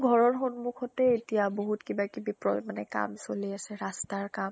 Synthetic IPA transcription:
ɡʱɔɹɔɹxonmukʰɔtɛetijaboɦutkibakibipɹɔmanɛ̰ka̰msoliasɛɹastaɹkam

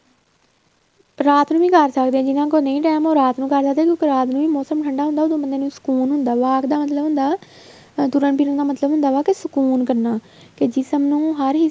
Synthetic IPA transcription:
ɾaːt̪nũːʋĩːkəɾsəkd̪eːãd͡ʒɪnãːkoːnəĩːʈɛːmoːɾaːt̪nũːkəɾsəkd̪ẽːkjokeɾaːt̪nũːʋiːmɔːsəmʈʰəɳɖaːɦʊnd̪aːʊːd̪õːbənd̪eːnũːsə̥kuːnɦʊnd̪aːʋaːkd̪aːmət̪ləbɦʊ̃nd̪aː | t̪uɾənpiːɾõːd̪aːmət̪ləbʊnd̪aːʋaːkɪsəkuːnkəɾnaː | ked͡ʒɪsəmnũːɦəɾɦiː

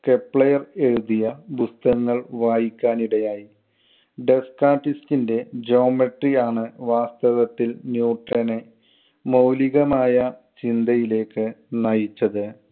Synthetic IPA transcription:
ke̞pɭɐjɐre̞ɻuðijɐbust̪ɐŋːɐɭʋaːjikʲːaːniɽɐjaːji | ɖe̞skaːʈːistinde̞d͡ʑo̞ːmeʈriaːɳɨʋaːst̪ɐʋɐt̪ːilnjuːʈrɐne | mowliɣɐmaːjɐt͡ɕind̪ʱɐjile̞ːkːɨnɐjit͡ɕːɐðɨ

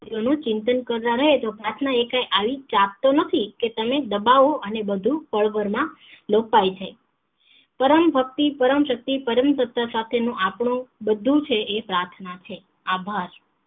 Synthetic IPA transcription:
ionũt͡ʃɪnt̪ənkəɾt̪ãɾəɦet̪opɾat̪ʰnaekãjʔaʋit͡ʃap̚t̪onət̪ʰiket̪əmed̪əbaoʔənebəd̪ʱũpəɭʋəɾmãlopajt͡ʃʰe | pəɾəmbʱək̚t̪ipəɾəmʃək̚t̪ipəɾəmsət̪asat̪ʰenũʔapɳ̃ũbəd̪ʱːũt͡ʃʰeːpɾaɾt̪ʰnat͡ʃʰe | abʱaɾ

